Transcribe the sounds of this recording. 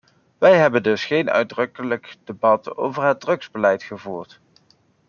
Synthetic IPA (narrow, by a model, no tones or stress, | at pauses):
ʋɛjɦɛbəndɵsχejnœ̰ɥdrɵkələkd̥ebɑto̰wvəɹɦəd̚drɵkz̥bəlɛjtχəvuːɹt